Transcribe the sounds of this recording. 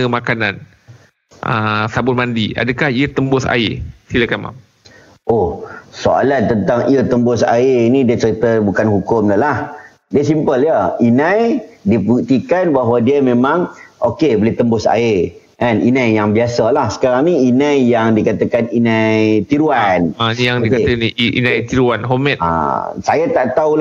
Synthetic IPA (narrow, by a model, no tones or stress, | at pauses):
əmakanãn | ə̰sabʊt̚mandia̰dəkahiət̪əmbʊsa̰ɪsiləkanma̰m | ʔohsoa̰lant̪ənt̪aŋiət̪əmbʊsa̰ɪnĩdiət͡ʃəɾit̪əbukanhukʊmd̪əlah | diəsimpəljəinãjdiput̪ikanbaɦwadiəmẽmãŋʔokebəlɪht̪əmbʊsa̰e | anḭnãjjaŋbiasalahsə̥kaɾaŋniinãjjaŋdikat̪akaninãjt̪iɾuanajaŋdikaniḭnãjt̪iɾuanɦomɛt̪a̰sajat̪aʔt̪aula